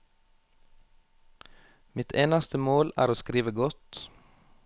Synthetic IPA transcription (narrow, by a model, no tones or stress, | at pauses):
mɪt̪ʰeːnɑst̪əmoːlæ̰ːɾoːskɾiːʋəɡɔt̪